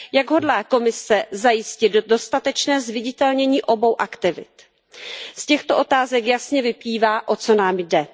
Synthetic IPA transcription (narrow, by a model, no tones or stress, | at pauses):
jaɡɦo̞dlaːko̞mɪsɛzajɪscɪd̪̚do̞st̪at̪ɛt͡ʃnɛːzvɪɟɪt̪ɛlɲɛɲiːʔo̞bo̞wʔakt̪ɪvɪ̰t̪ | scɛxt̪o̞ʔo̞t̪aːzɛkjasɲɛvɪpliːvaːʔo̞t͡so̞naːmjdɛ